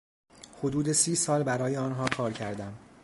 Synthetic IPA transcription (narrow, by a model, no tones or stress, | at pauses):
hod̪uːd̪e̞siːsɒːlbæɾɒːje̞ɒːnɦɒːkʰɒːɾcʰæɾd̪æm